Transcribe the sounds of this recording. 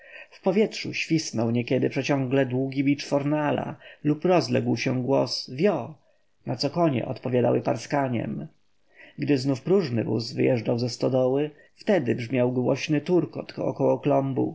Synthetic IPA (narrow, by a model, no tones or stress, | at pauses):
fpɔvʲjɛtʂuɕfʲisnɔwɲɛkʲɛd̪ɘpʂɛt͡ɕɔ̃ŋɡlɛd̪wuɡʲibʲit͡ʂfɔɾnala̰lupɾɔzlɛ̰ɡwɕɛɡwɔsvʲjɔ | nat̪sɔkɔɲɛ̰ʔɔt̪pɔvʲjad̪a̰wɘpaɾskaɲɛ̰m | ɡd̪ɘznufpɾuʐnɘ̰vṵzvɘjɛʐd͡ʐawzɛst̪ɔd̪ɔwɘ | ft̪ɛd̪ɘbʐmʲjawɡwɔɕnɘt̪uɾkɔ̰t̪ɔ̰kɔwɔklɔmbṵ